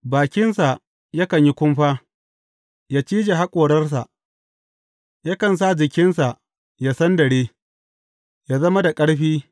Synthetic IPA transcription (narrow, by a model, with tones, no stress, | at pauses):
baː˨kʲɪ˦nsa˨ | ja˦kɐ˨ɲji˦kʷʊ˦mɸaː˦ | jaː˦t͡ʃiː˦d͡ʒe˨ɦa˦kʷʼoː˨ɽɐ˦rs̬a˨ʔ | ja˦kɐ˨ns̬a˦d͡ʒɪ˨kʲɪ˦nsa˨ʔ | ja˦sɐ˦ndɐ˨ɽeː˦ | ja˦zɐ˦ma˦da˨kʼɐ˦ɽɸiː˦